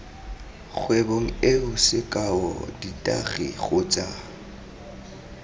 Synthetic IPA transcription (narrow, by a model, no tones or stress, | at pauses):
ɣweboŋ̩eʊsɪkʼaɔ̰ditʼa̰ɣḭɣʊt͡sʼa